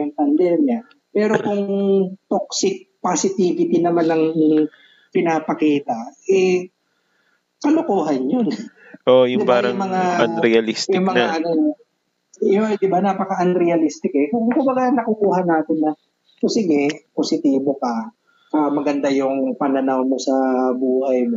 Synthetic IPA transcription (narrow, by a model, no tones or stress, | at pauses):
ʊŋpɐnd̪ɛːmjɐ | pɛːɾokʊŋt̪ok̚sɪk̚pasɪt̪iːvɪt̪ɪnɐmanɐŋ | pɪnaːpɐkiːt̪ɐɛ | kɐlʊkuːɦɐnjon | ʔoʔjʊpaɾɐʊŋmɐŋaɐnɾɛjɐlistj̪ʊŋmɐŋaʔɐno | jod̪ɪbanaːpɐkɐʔɐnɾɛjɐlist̪ɪkɛkʊŋkʊmbɐɡaŋnɐkʊkuːhɐnaːt̪ɪnːɐ | posɪɡɛposɪt̪iːbokɐ | ɐmɐɡɐnd̪ajʊŋpɐnɐnawmo̞sɐbuːhɐjmo